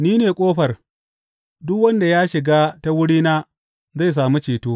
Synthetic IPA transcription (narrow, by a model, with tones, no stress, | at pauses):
niː˦neː˨kʷʼoː˦ɸɐ˨r | dʊ˦kwɐ˦nda˨jaː˦ʃɪ˨ɡaː˦ta˦wʊ˦ɽiː˦naː˦ | za˦˨js̬aː˨mu˦t͡ʃeː˨toː˦